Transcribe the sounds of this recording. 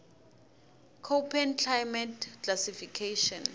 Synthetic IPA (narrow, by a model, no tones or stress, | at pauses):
kʰopʰɛntʰajmɛtkʰlasifikʰeʃɔn